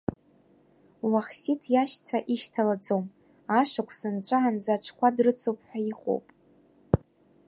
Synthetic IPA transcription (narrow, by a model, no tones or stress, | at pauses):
waχsitʰjaʃt͡sʰaʔiʃtʰalad͡zom | aʂakʷʰsɨnt͡ʃʷʼaːnd͡zaʈ͡ʂʰkʷʰadrɨt͡sʰopʰʼħʷaiqʼo̰wpʼ